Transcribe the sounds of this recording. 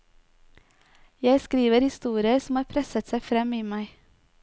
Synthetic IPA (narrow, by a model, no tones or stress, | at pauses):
jæɪskɾiːʋəɾhɪst̪uːɾɪəɾsm̩hɑːɾpʰɾɛsət̪sæɪfɾɛmiːmæɪ